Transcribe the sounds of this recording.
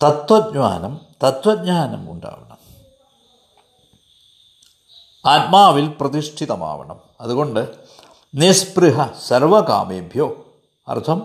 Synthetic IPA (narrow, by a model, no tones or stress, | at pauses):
t̪ɐt̪ʋɐd̪̚ɲa̰ːnɐmt̪ɐt̪ʋɐd̪̚ɲaːnɐmṵɳɖa̰ːʋɐ̰ɳɐ̰m | aːt̪̚maːʋilprɐt̪iʂʈʰit̪ɐma̰ːʋɐ̰ɳɐ̰m | ɐðuɣo̞ɳɖɨ | nispriɦɐsɐrʋɐka̰ːmeːbʱjoː | ɐ̰rt̪ʰɐm